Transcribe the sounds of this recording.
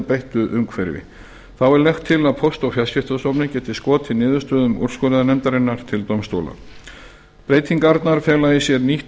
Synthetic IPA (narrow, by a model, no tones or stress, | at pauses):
pejht̪ʏʔʏŋkfɛɾvɪ̰ | θawɛɾlɛxt̪ʰːɪlaðpʰowst̪ɔwfjascɪft̪asɔpnɪcɛt̪ɪskɔːt̪ʰɪnɪːðʏst̪œːðʏmɔ̰r̥skɔlaðanɛmt̪aɾenːaɾ̥t̪ʰɪlt̪owmst̪owla̰ | pɾeːjt̪ʰiŋkaɾt̪naɾ̥fjɛːlaisjɛɾniht̪